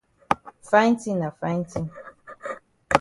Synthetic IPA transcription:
fa˦jn˦tĩ˦na˨fã˦nti˦

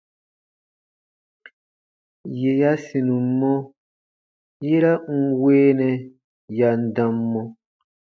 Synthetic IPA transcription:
je˨ja˦sĩ˨nũ˨˦mɔ̃˦ | je˦ɾa˦ŋ̩˦weː˦nɛ̃˨ | ja˨n̩˦˨dã˨mːɔ̃˦

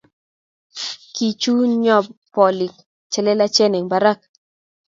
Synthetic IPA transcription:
ki˨t͡ʃu˦ɲɔ˦˨bpɔ˨li˨k | t͡ʃɛ˨lɛ˦la˦t͡ʃɛ˦nɛ˨ŋba˦ɾa˦˨k̚

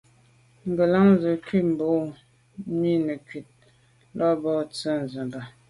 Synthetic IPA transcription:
ŋ̩˨ɡə˨la˦ŋ˦zə˨kɥi˦tm̩˨bo˨˦ | mi˦nə˨kɥi˨t̚ | lɔ˦bɔ˦˨t͡sə˦n˨zə˨mba˨

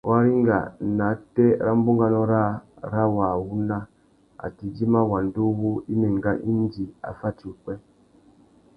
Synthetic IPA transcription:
wa˦ɾi˦ŋ˦ɡa̰˨na˨˦tɛ˦ɾa˦m̩˦bu˦ŋɡa˨nɔ˦ɾa˦ɾa˦wa˨wu˦na˦ | a̰˨ti˨d͡ʒi˦ma˦wa˨n˨do˦βu˦i˦me˨ŋ˨ɡa˦ʔi˦n˦d͡ʒi˨a̰˨fa˦ti˨u˨k͡pɛ˦

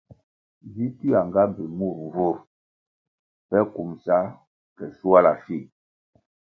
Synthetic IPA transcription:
vi˦ti˦a˨ŋɡa˦be˨mu˦˨ɾvu˦˨ɾ | pɛ˦ku˨msa˦ | kɛ˨su˦a˦la˨fi˦˨

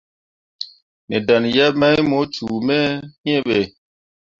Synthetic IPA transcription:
ne˨da˨nja˦ma˦jmo˨˦t͡ʃu˨mɛ˦ɲɛ˦ɓe˨

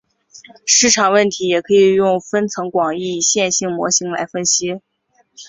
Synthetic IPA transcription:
ʂɻ̩˥˩ʈ͡ʂʰɑ˨˩ŋwə˥˩nt̪ʰi˧˥jɛ˨˩kʰɤ˧˥i˨˩jʊ˥˩ŋfə˥nt͡sʰɤ˧˥ŋkwɑ˨˩ŋi˥˩ɕjɛ˥˧nɕi˥˩ŋmwɔ̰˧˥ɕi˧˥ŋla̰˧˥ɪfə˥nɕi˥

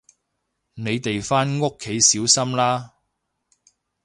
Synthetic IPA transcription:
ne˨˧jt̪e˨jfaː˥nŋʊ˥kʰːe˨˧jsiː˨˥wsɐ˥mlaː˥

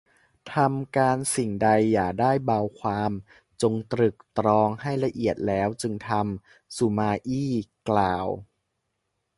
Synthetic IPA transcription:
t̪ʰa˧mkaː˧nsi˨˩ŋda˧jːaː˨˩k̚daː˥˩jbaː˧wkʰwaː˧m | t͡ɕo˧ŋt̪ɾɯ˨˩k̚t̪ɾɔː˧ŋha˥˩jla˧ʔi˨˩ət̪̚lɛː˦˥wt͡ɕɯ˧ŋt̪ʰa˧m | su˨˩maː˧ʔiː˥˩klaː˨˩w

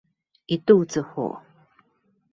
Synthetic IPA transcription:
i˨t̪u˥˨t͡sɨ˨ho̰˨

